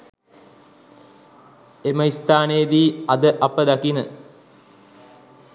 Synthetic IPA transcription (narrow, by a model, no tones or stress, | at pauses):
eməist̪aːnejəd̪iːɐd̪əʔapəd̪akinə